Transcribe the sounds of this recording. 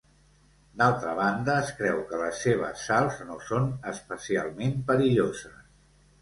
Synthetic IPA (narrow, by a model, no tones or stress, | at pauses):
d̪alˠt̪ɾəβ̞and̪əːskɾɛwkələsːeβ̞ə̰sːalˠznosonəspəsia̰lˠmempəɾiʎozəs